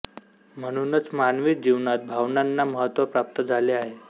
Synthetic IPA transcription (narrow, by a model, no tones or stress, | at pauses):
m̤əɽ̃unət͡smanʋit̪̚d͡ʑiʋnat̪̚bʱaʋnanːaməɦət̪ʋəpɾap̚t̪əd͡zʱaleaɦe